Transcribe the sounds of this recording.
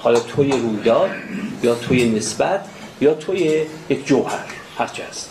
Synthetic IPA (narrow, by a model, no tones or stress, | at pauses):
hɒlɒːt̪ʰojeɾuːjd̪ɒːd̪̚jɒːt̪ʰojenesbæt̪ʰ | jɒːt̪ʰojejekʰd͡ʒohæɾ | hæɾt͡ʃʰiæst̪